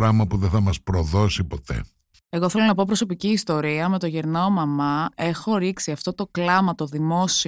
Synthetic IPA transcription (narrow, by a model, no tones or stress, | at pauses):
ɾɐmɐpuðeθɐmɐspɾoðo̞sipo̞t̪e̞̰ | e̞ɣo̞θelo̞nɐp̬o̞p̬ɾo̞so̞piciːst̪o̞ɾiɐme̞t̪o̞ʝeɾnoomɐmɐe̞xo̞ɾiksiɐft̪o̞t̪o̞klɐmɐt̪o̞ðimo̞si